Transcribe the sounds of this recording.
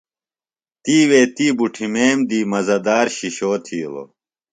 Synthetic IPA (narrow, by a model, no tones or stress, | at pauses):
t̪iːweːt̪iːbuʈʰimeːmd̪iːmɐzɐd̪aːɾɕiɕoːt̪ʰiːlo̰